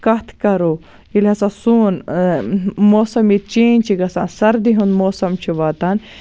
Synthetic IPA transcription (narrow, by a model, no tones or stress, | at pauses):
kɐt̪ʰkɐɾoː | ilʲɐsãsuːn | moːsɐmit͡ʃeːnʲt͡ʃʰiɡɐsaːnsɐɾd̪iɦũnmoːsɐmt͡ʃʰiʋaːt̪an